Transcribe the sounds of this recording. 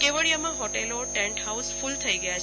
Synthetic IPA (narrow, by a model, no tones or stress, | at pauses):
keʋəɭijamãɦɔʈeloʈɛ̃ɳʈhausfult̪ʰəiɡəjat͡ʃʰ